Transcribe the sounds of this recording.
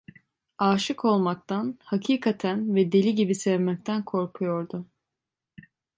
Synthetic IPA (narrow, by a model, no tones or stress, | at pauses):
aːʃɯkʰo̞lˠmak̚t̪ʰanhacʰiːkʰat̪ʰænvɛd̪e̞lʲiɟibisɛvmɛc̚t̪ʰænkʰo̞ɾkʰujo̞ɾd̪ʊ